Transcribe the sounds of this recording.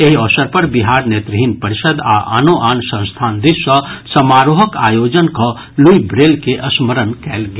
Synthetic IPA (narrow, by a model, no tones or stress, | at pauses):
eɦiɔːsəɾpɐɾbɪɦaːɾneːt̪ɾəɦinpɐɾɪʃəd̪a̰ʔa̰noʔaːnsɐ̃nst̪ʰaːnd̪ɪʃwɐsɐmaːɾoɦəkaːjoːd͡ʒənkɐ | lujbɾeːlkeʔɐsməɾənkɛːlɡj